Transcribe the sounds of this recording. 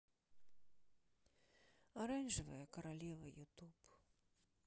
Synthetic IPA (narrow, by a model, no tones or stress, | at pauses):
aɾanʲʐɨvɐjɛkɐɾalʲɛvɐjut̪up